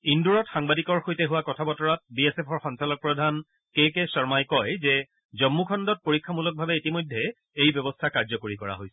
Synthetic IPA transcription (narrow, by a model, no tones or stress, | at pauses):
induɹɔtxaŋbadikɔɹxojtɛɦuwakɔtʰabɔtɔɹat̚biesɛpʰɔɹxɔnsalɔk̚pɹɔdʱan | kekɛsɔɹmajkɔjzɛ | zɔmːukʰɔndɔt̚poɹikʰːamulɔk̚bʱabɛitimojdʱːɛ | ejbjɔbɔstʰakaɹzɔkoɹikɔɹa̰ɦojsɛ̥